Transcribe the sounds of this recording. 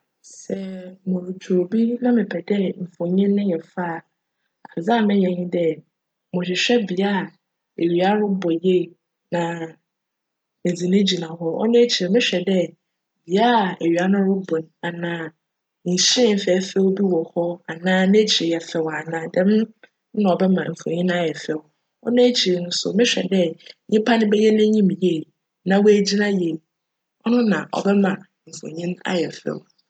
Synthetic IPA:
sɛ˨mʊ̃˨ɾʊ˨tʰo˨bi˦nã˦mɪ̃˨pʰɛ˨dɛ˦m̩˨fɔ̃˨ɲɪ̃˦nʊ̃˦jɛ˨faː˦˨ | a˨fɪ˨za˦˨mɪ̃˦jɛ̃˨ɲɪ̃˦dɛ˦ | mʊ̃˨ɕᶣɪ˨ɕᶣɛ˦bi˨a˦˨ | e˨ɥi˨a˦ɾʊ˦bɔ˨je˦˨ | nã˨ | mɪ˨d͡zi˨nɪ̃˦d͡ʑi˨nã˨ɦɔ˦ɔ̰˦nʊ̃˦t͡ɕʰi˨ɛ˨mɪ̃˦ɕᶣɛ˨dɛ˦ | bi˨a˦˨e˨ɥi˨a˦nʊ̃˦ɾʊ˦bɔ̃˨na˨nãː˨˦ | ɲ̩˨ɕĩ˦˨m̩˨fɛ˨˦fɛ˦wbi˦wɔ˨hɔ˦a˨nãː˦mɪ̃˦t͡ɕʰi˨ɾɛ˨jɛ˨fɛ˨wa˨nãː˨dɛ̃˦m˦ | nã˨ɔ˨bɛ˦mã̰˨m̩˨fõ̰˨ɲĩ˦na˦jɛ˨fɛ˨w | ɔ̰˦nʊ̃˦æ˦t͡ɕʰi˨ɾnʊ̃˦sʊ̰˨mɪ̃˦ɕᶣɛ̰˨dɛ˦˨ɲɪ̃˦pʰa˦nɪ̃˦bɛ˦jɛ˦nã˦ɲĩ˦m˨je˦˨ | nã˨wɔ˦æ˦d͡ʑi˦nã˦je˨ | ɔ˦nʊ̃˦nã˨ʔɔ̰˨bɛ˦mã˨ | m̩˨fo̰˨ɲɪ̃˦na̰˦jɛ˨fɛ̰˨w

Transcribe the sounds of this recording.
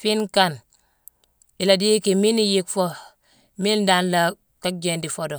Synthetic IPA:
fi˦nka˨n | i˨la˨di˦ki˨mi˦ni˦ji˦kfo˦ | mi˦nda˦nla˨ | ka˦k̚d͡ʒe˨ndi˨fo˦do˨

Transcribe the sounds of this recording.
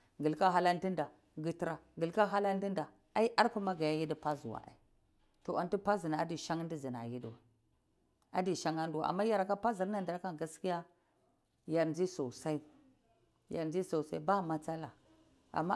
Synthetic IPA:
ɡi˨lka˦ɦa˦la˦ndi˦nda˨ | ɡi˦ti˦ɾa˨ɡi˨lka˦ɦa˦la˦n˦di˦nda˨ | a˦i˦ʔa˦ɾku˦ma˦ɡa˨ja˦ji˦di˦pa˦zu˨wa̰˨a̰˨ | to˨a˨n˦ti˦pa˦zi˨na˨a˦di˨ʃa˦ŋ˦di˦zi˨n˨a̰˨ji˦dwa̰˨ | a˦di˨ʃa˦ŋa˦n˦du˦wa̰˨ʔa̰˨mːa˦ja˦ɾka˦pa˦zi˨ɾna˨ndi˨ɾa˦ka˦ɡa˦ski˦ja˦ | ja˨ɾnd͡ʒi˦so˨sa˦i˦ | ja˨ɾnd͡ʒi˦so˨sa˦i˦ba˦˨ma˨t͡sa˦la˨ | a̰˨mːa˦

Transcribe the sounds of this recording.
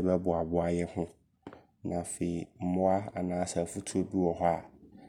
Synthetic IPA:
bɛ˦bʊ˨a˨bʊ˦a˨jɛ˦hʊ̃˦ | nã˨fe˨i˨m̩˦mʊ̃˦a˦a˨nãː˦sɛ˨fu˦tʰu˦o˨bi˦wɔ˨hɦɔ˦a˨

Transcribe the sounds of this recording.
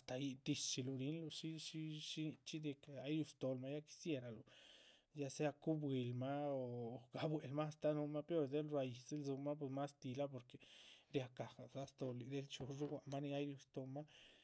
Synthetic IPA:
a˨st̪a˨ji˧d̪i˧st͡ʃi˧lu˧ɾi˧˦nlu˧ʃi˦ʃi˦ʃi˦t͡ʃi˦d̪e˧ka˦jɾju˧st̪o˧lma˦ja˦ki̥˧sje˦ɾa˨lu˨ | ja˦se˦a˧ku˦bwi˧lma˦o˨ɡ̥a˨˦bwe˨˧lma˦st̪a˦nu˧˦ma˦po˧ɾd̪e˦lɾa˧i˨se˦lzu˧ma˦p̬we˧sma˦st̪i˧la˦p̬o˧ɾke˨ɾja˧ka˨ɡa˨sa˦st̪o˧li˨d̪e˦lt͡ʃu˧ʐu˦wʷa˨ma˦ni˧a˦jɾʲu˧st̪o˧ma˦

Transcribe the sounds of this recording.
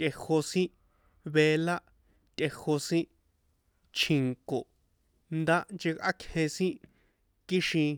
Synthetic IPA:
t̪ʲʔe˧ho˧sĩ˦ | βe˧la˦ | t̪ʲʼʔe˧ho˧sĩ˦ | t͡ʃʰĩ˨ŋko˨ | nd̪a˦nd͡ʒe˧kʔa̰˦kʰhẽ˧sĩ˦ | ki˦ʃĩ˧

